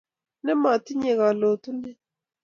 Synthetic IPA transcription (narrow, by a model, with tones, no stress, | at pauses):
nɛ˦ma˨ti˦ɲe˨ɣa˨lo˨tu˦nɛ˦